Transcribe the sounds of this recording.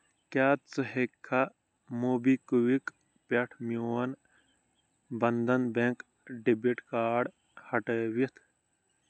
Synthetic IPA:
kaːt̪t͡səɦekʰːa | moːbikuwik | peʈʰmjoːɐn | bɐnd̪ɐnbeŋk | ɖibiʈkaːɖ | hɐʈəwit̪ʰ

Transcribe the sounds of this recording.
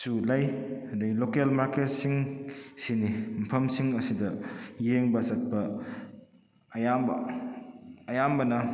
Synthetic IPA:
sulajadɐɡilokelmaɾket̚siŋsinim̩pʰɐmsiŋɐsidɐjeŋbɐsɐt̚pɐ | jambɐ | ɐjambɐnɐ

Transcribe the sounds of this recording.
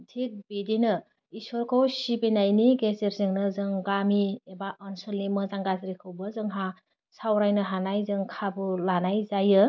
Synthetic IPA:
tʰik̚bidinɯ | isɔɾkʰowsibenajniɡezeɾziŋnɯzɯŋɡamiebaʔɔnsɯlnimɯzaŋɡazɾikʰɯwbɯzɯŋɦa | sawɾajnɯɦanajzɯŋkʰabulanajzajɯ

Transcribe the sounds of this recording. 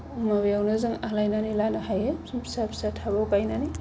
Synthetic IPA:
mabjawnɯzɯŋalajnanilanahajepsapʰsatʰabawkajnani

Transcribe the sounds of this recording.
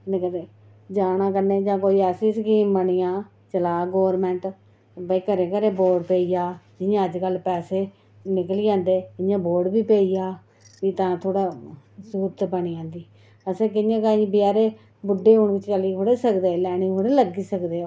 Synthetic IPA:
nɪkədeː | d͡ʒaːnãːkəɾneːd͡ʒãːkoːiːɛːsiːskiːmbəɳiːãː | t͡ʃəlaːɡoːɾmɛ̃ːɳʈ | bəiːkəɾẽːkəɾẽːboːɾɖpeːiːjaːd͡ʒɪjãːəd͡ʒkəlpɛːseː | nɪkliːd͡ʒãːnd̪eːɪjãːboːɾɖbiːpeːijaː | ʋiːt̪ãːt̪ʰoːɽaː | suːt̪bəɳiːãːnd̪iː | əsẽːk̬ɪjãːkaːĩbɪjaːɾeː | bʊɖːeːɦʊɳʋɪt͡ʃt͡ʃəliːɦoːɽeːsəkd̪eːlɛːɽ̃ĩːoːɽeːləɡiːsəkd̪eː

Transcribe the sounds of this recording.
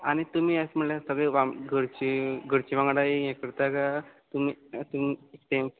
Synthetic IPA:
añit̪um̤iːasm̤əɳljasəɡɭeʋaɡəɽt͡ɕiɡəɽt͡ɕiʋãŋɡɽaijɛ̃kəɽt̪aɡat̪umiːt̪umiʈ̪em

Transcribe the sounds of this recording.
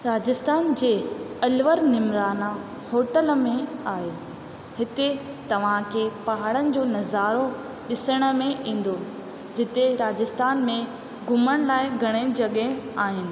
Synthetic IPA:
ɾaːd͡ʑɪst̪aːnd͡ʑeːɐlʋəɾnɪmɾaːna | hoːʈəlmẽaːɦe | hɪt̪e | t̪ɐʋ̤ãkʰepɐɦaɽənɪ̆d͡ʑoːnɐzaːɾo | ɗɪsəɽ̃ə̆mẽʔĩːn̆d̪o | d͡ʑɪt̪eɾaːd͡ʑɪst̪aːnmẽ | ɡʱʊməɽ̃laːɪɡʱɐɽ̃ed͡ʑɐɠɦeaːɦɪnɪ̆

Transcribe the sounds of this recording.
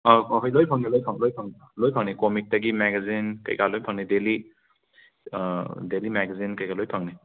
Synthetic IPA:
ɔɔpʰajlojpʰaŋnilojpʰaŋlojpʰaŋn | lojpʰaŋnikɔmik̚taɡimɛɡazinka̰jkalojpʰaŋnideli | delimɛɡazinkajkalojpʰaŋni

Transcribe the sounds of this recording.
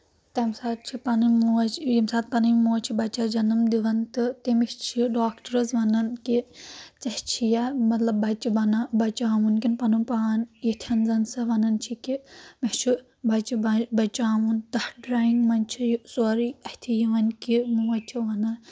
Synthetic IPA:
t̪ɐmsaːt̪̚t͡ʃʰipɐnɨmuɐt͡ʃjimsaːt̪̚pɐnɐmʲmuːɐt͡ʃʰibɐt͡ʃad͡ʒɐnɨmd̪iʋɐnt̪ɨt̪emiʃt͡ʃʰiɖaːkʈɐɾɐzʋɐnɐnkit͡sɐht͡ʃʰijamɐt̪lɐbbɐt͡ʃibɐnabɐt͡ʃaːʋunkʲinpɐnumpaːnit̪ʰɐnzɐnsɐʋɐnɐnt͡ʃʰikimiʃt͡ʃʰi | bɐt͡ʃiɐbɐt͡ʃaːʋunt̪ɐhɖɾaːiŋɡmɐnt͡ʃʰijusoɾiɐht̪ʰijiʋɐnkimuɐt͡ʃʰiʋɐnɐ

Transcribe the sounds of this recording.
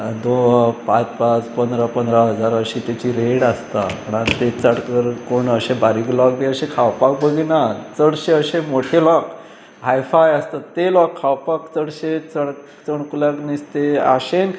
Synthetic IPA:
d̪oɦpat͡spat͡spənd̪ɾapənd̪ɾaɦəd͡zaɾəɕit̪jat͡ɕiɾeɽast̪apəɽ̃ant̪et͡səɽkəɾkoɳəɕebaɾiklɔkd̪eəɕekʰawpak̚bəɡinat͡səɽɕeəɕẽmoʈʰelɔk | ɦajfajast̪at̪ːelɔkʰːawpakt͡səɽɕet͡səɽ | t͡səɳkulaknist̪ea̰ɕen

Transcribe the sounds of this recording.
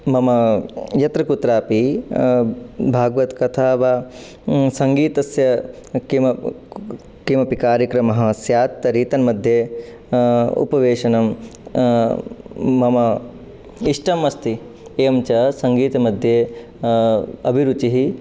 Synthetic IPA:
mɐmɐjɐt̪ɾɐkut̪ɾaːpi | bʱaːɡʋɐt̪kɐt̪ʰaːʋa | sɐŋɡiːt̪ɐsjɐkimɐ | kimɐpikaːɾjɐkɾɐmɐɦɐsjaːt̪ːɐɾiːt̪ɐnmɐd̪ʱjeː | ṵpɐʋeːʃɐnɐm | mɐmɐ | iʂʈɐmɐst̪i | eːmt͡ʃɐsɐŋɡiːt̪ɐmɐd̪ʱjeː | ɐ̰bʱiɾut͡ʃiɦi

